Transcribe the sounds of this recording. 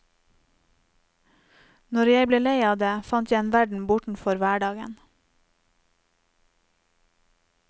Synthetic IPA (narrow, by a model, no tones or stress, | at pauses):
nɔɾjæɪbleːleɪɑːd̪eːfɑnt̪jæɪeːnʋæɖɳ̩bʊʈɳ̩fɔɾʋæːɖɑːɡə̰n